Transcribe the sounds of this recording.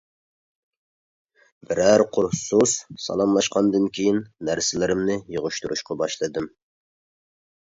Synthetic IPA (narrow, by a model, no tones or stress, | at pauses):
bɪɾæɾqʰʊɾsussɑ̰lˠɑmlˠɑʃqɑnd̪ɨnkʲʰejinːæɾsɪlɪɾɪmnɪjəʁʊʃt̪uɾuʃqɑbɑʃlˠɨd̪ɨm